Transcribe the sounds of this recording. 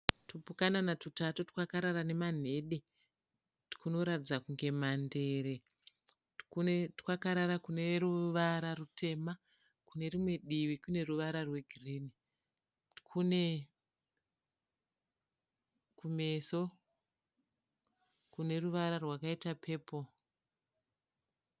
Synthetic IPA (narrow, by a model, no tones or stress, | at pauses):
tupukananatutatoti̥kwakaɾaɾane̞man̤e̞ɗe | tkuno̞ɾatid͡zakuŋɡe̞mande̞ːɾe | ktkwakaɾaɾakune̞ruʋaɾarutʰe̞ːma | kune̞rimwe̞ɗiʋikune̞ruʋaɾarwe̞ɡʱirini | kʰune̞ | kume̞so | kune̞ruʋaɾarwakaitapʰe̞ːpo